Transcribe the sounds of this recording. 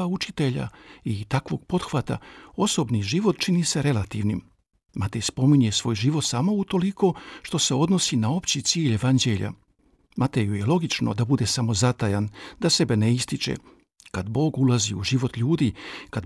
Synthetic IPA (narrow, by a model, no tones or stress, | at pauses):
aut͡ʃit̪e̞ʎa̰it̪akʋo̞̰ɡ̚po̞d̪xʋat̪a̰o̞so̞bniʒiʋot̪t͡ʃinise̞ɾe̞lat̪iʋnim | mat̪ejspo̞miɲe̞sʋo̞ːjʒiʋo̞t̪samo̞ut̪o̞liko̞ʃt̪o̞se̞o̞d̪no̞sinao̞pt͡ɕit̪siːʎe̞ʋand͡ʑe̞ʎa̰ | mat̪ejuje̞lˠo̞ɡit͡ʃno̞̰d̪abud̪e̞samo̞zat̪ajand̪ase̞be̞neist̪it͡ʃḛ | kad̪bo̞ːɡulˠaziuʒiʋo̞t̪ʎuːd̪ikad̪